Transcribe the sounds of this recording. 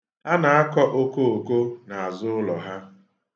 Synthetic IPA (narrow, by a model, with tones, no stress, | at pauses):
a˦na˨a˦kɔ˦ʔo˦ko˦o˨ko˦na˨a˨zʊ˦ʊ˦lɔ˨ɦa˦